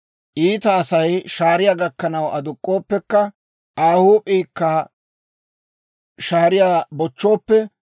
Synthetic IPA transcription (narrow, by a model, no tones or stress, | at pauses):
ʔiːt̪ɐːsɐjʃaːɾɪjaːɡɐkːɐnɐwʔɐd̪ʊkʼːo̞ːpːɛkːɐ | ʔaːhuːpʼiːkːɐ | ʃaːɾɪjaːbɔt͡ʃːo̞ːpːɛ